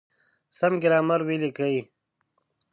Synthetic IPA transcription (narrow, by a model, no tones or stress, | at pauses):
sɐmɡiɾaːmɐɾwilikɐi